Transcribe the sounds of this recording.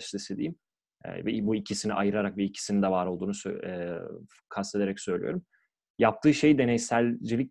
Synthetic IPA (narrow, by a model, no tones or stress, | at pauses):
ʃlˠised̪ḭːim | ɛ̰vɛbuicʰisinḭʔajɯɾaɾakvɛicʰi̥sinid̪ɛvaːɾo̞lˠd̪uːnusø̰ɛ | kʰast̪ʰe̞d̪e̞ɾɛcsø̞jlʲḭjo̞̰ɾum | jap̚t̪ʰɯːʃe̞jd̪e̞nejsælʲd͡ʒilʲic